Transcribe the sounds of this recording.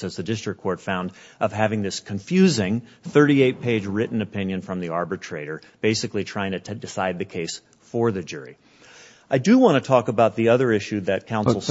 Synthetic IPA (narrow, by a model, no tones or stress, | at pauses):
ɨzðɨdɪstɹ̥ɨkʰːɔɹtfãʊ̃ndʔʌv̥ɦævɪ̃ŋðɪskʰɨ̃ɱfjʉzɪ̃ŋ | θɜ˞ɾieɪt̚pʰeɪd͡ʒɹɪʔn̩ɨpʰɪ̃njɨ̃nfɹʌ̃mðiɑɹbɨtʰɹ̥eɪɾə˞ | b̥eɪsɨklitʰɹ̥aɪɪ̃ŋtʰɨdɨsaɪd̪̚ðɨkʰeɪs | fə˞ðɨd͡ʒʊɹḭ | ʔaɪdɨwɑ̃ñɨtʰɔkəbaʊt̪̚ðiʌðə˞ɪʃʉðɨt̚kʰãʊ̃nsl̩ˠ